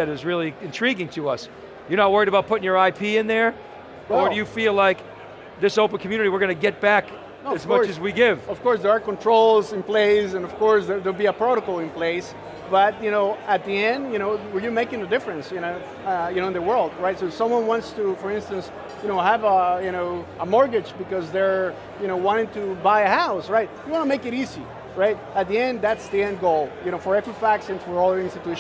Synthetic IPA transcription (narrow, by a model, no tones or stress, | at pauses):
ɨɾɨzɹɪlˠiɨ̃ntʰɹ̥iɡɪ̃ŋtʰɨʌs | jə˞nət̚wɜ˞iɾəbaʊt̚pʰʊɾɪ̃ŋjə˞aɪpʰiɨ̃nðə˞ | ə˞ɨjɨfilaɪk | ðɪsoʊpə̃n̩kʰmjʉnɨɾiwɨɹɡʌnɨɡɛt̚b̥æk | ɨzmʌt͡ʃɨzwiɡɪv̥ʌv̥kɔɹsðə˞əkɔ̃ntʰɹ̥oʊlˠzɨ̃npleɪsɨ̃nʌv̥kʰɔɹsðə˞ðəbiɨpʰɹ̥oɾəkl̩ˠɨ̃npʰl̥eɪs | b̥ʌt̚jɨnoʊɨt̪̚ðiɛ̃ndjɨñoʊwəɹjɨmeɪkɪ̃ŋɨdɪfɹɨ̃nsjɨnoʊ | jɨnoʊɨ̃nðəwɜ˞lˠd̚ɹaɪtsoʊsʌ̃mwʌ̃nwɑ̃ntstufə˞ɪ̃nstɨ̃ns | jɨnoʊɦəvəjɨñoʊəmɔɹɡɨd͡ʒbɨkʌzðə˞ | jɨnoʊwɑ̃ɾ̃ɪ̃ŋtʰɨbaɪɨhaʊsɹaɪt̚jɨwɑ̃nəmeɪkɨɾizi | ɹaɪt̚ɨt̪̚ðiɛ̃nd̪ðætsðiɛ̃nd̚ɡoʊlˠjɨnoʊfə˞ɛkwɨfæk̚sɨ̃nfə˞ɔlˠjə˞ɪ̃nstɨtʉʃ